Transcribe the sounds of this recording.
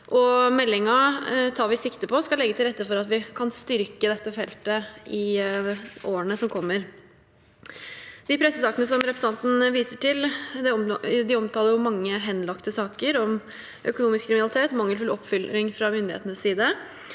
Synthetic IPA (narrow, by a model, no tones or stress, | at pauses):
ʔɔmɛlːɪŋɑt̪ʰɑːʋɪsɪkt̪əpʰɔskɑlɛɡːət̪ʰɪlɾɛt̪ːəfɔɾɑt̪ʋɪkʰɑnst̪ʏɾkəd̪ɛt̪ːəfɛlt̪əɪ | oːəɳəsɔmkʰɔmːəɾ | d̪ɪpʰɾɛsːəsɑːkənəsɔmɾɛpɾəsənɑnt̪n̩ʋiːsəʈɪld̪ɛd̪ɪɔmt̪ʰɑːləɾjʊmɑŋːəɦɛnlɑkt̪əsɑːkəɾɔm | ʔœkʊnuːmɪskʰɾɪmɪnɑlɪt̪ʰeːt̪mɑŋːəlfʉlɔpːfʏlɾɪŋfɾɑmʏnd̪ɪḛːt̪ənəssiːd̪ə